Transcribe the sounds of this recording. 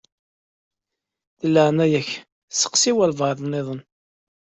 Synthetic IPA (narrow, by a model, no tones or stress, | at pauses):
θəlːəʕnæjæç | sə̥qsiwælvɑɾðˤnːɪðˤən